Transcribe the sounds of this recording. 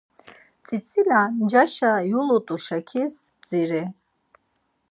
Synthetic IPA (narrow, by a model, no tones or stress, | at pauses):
t͡sʰʼit͡sʰʼiland͡ʒaʃajulut̪ʼuʃakʰis | bd͡ziɾɛ